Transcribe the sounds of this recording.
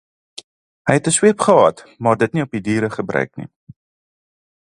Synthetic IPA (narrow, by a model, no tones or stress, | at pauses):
ɦəjɛtəswiəpχəɦɑ̰tmɑːrdətniɔpidiːɾəχəbrœ̰ɥknḭ